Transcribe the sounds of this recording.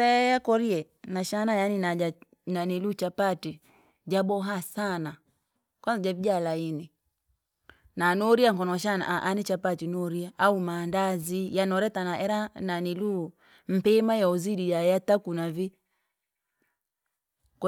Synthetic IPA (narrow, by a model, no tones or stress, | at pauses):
ɛjakɔɾiɛ | naʃanajaninaa | nanilut͡ʃapati | d͡ʒaɓɔɦasana | kazad͡ʒavid͡ʒalaini | nanɔɾiaŋ̩kɔnɔʃana̰ʔaʔanit͡ʃapatinɔɾiaʔaumandazijanɔɾɛtanaʔɛɾananilu | m̩pɛmajaɔziɗijajatakunavi | k